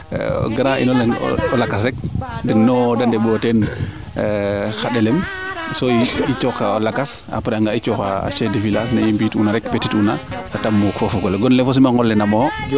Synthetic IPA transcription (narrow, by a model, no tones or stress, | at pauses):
ɡaɾaʔḭnɔlɛn̰ɔlakasɛk̚dɛnːɔdandɛbɾɔtɛn | xaɗɛlɛm | soit͡ʃɔkaɔlakas | a̰pɾɛaŋɡait͡ʃɔkaa̰t͡ʃedefilanaimbiːtunaɾɛkpetitunaatamːɔkɔfɔɡɔlɛɡɔnlɛfɔs̬imaŋɡɔlːɛnamɔ